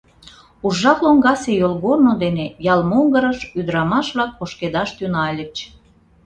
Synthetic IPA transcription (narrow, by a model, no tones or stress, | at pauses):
uʒːɑkloŋɡɑsejolɣornod̪enejɑlmoŋɡəɾəʃyd̪əɾɑmɑʃβlɑk̚poʃked̪ɑʃt̪ynɑlʲət͡ɕ